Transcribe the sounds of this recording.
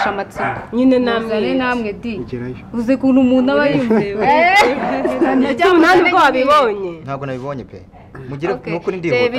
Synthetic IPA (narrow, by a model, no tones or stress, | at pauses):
ʃamat͡siaɲinenazanenamŋedi | uzekuːnumuːnaβajume | naniɡoaβiβoɲenhaːbɡonaβiβoɲepḛ | muɟiɾenukuɾindieβi